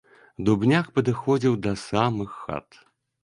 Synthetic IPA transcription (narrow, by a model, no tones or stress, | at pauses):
d̪ubnʲakpɐd̪ɨxɔd͡zʲiwd̪ɐsamɨxːa̰t̪